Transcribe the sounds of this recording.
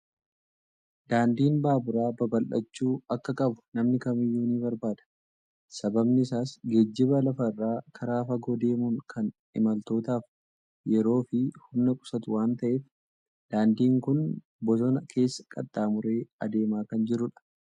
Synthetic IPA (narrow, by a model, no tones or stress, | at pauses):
d̪aːnd̪iːnbaːbʊɾaːbɐbɐlʔɐ̰t͡ʃːuːɐkːɐkʼɐbʊ̥nɐmnɪkɐmɪjːuːniːbɐɾbaːd̪ɐ̥ | sɐbɐbnɪɪsaːsɡed͡ʒːɪbɐlɐfɐrːaːkʰɐɾaːfɐɡɔd̪e̞ːmuŋkʰɐn | ɪmɐlt̪o̞ːt̪aːf | jɛɾo̞ːfɪhʊmnɐkʼʊ̥sɐt̪ʊwaːnt̪ɐʔeːf | d̪̥aːnd̪iːŋkʊn | bɔsɔnɐkʰe̞ːsːɐ̥kʼɐ̰t̪ʼːaːmʊɾe̞ːɐd̪e̞ːmaːkɐnd͡ʒɪɾʊᶑɐ̥